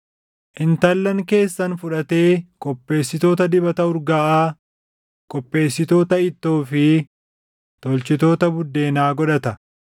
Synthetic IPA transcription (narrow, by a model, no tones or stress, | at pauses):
ʔɪnt̪ɐlːɐŋke̞ːsːɐnfʊᶑɐt̪eːkʼɔpːe̞ːsːɪt̪o̞ːt̪ɐd̪ɪbɐt̪ɐʊɾɡaːʔaː | kʼɔpːe̞ːsːɪt̪o̞ːt̪ɐɪt̪ːoːfɪ | t̪ɔlt͡ʃɪt̪o̞ːt̪ɐbʊd̪ːe̞ːnaːɡɔᶑɐt̪ɐ